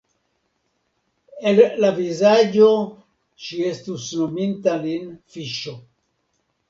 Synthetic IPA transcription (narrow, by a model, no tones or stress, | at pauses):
ellavizad͡ʒo̞ | ʃiestusnomintalinfiʃo